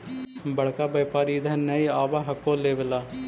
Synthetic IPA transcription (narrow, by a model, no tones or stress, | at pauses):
bəɽkaːbəːpaːɾiːd̪ɛːnɛːiaːʋaːɦəkːoːleːʋəlaː